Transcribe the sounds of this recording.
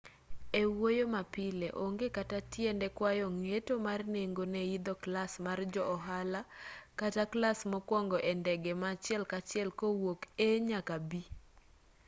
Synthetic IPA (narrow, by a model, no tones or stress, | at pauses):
ewojomapɪleʔoŋɡekatatjɛndɛkwajɔŋetomarneŋɡonɛid̪ɔklasmard͡ʒɔɔɦalakataklasmɔkwɔŋɡɔʔɛndɛɡɛmat͡ʃɪɛlkat͡ʃɪɛlkowokeɲakabi